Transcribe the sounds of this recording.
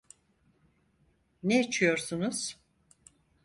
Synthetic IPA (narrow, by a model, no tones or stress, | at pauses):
neat͡ʃʰɯjo̞ɾsunuz̥